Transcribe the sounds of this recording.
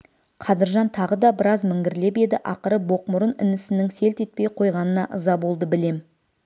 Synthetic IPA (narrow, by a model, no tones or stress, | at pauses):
qʰɑd̪ɪɾʒɑnt̪ʰɑʁəd̪ɑbɪɾɑzmɪŋɡʲɪɾle̞be̞d̪ɪʔɑqəɾəbo̞q̚mʊɾənɪ̰nɪsɪnɪŋse̞lt̪e̞t̪̚pe̞jqʰo̞jʁɑnənɑʔəzɑbo̞lˠd̪əbɪle̞m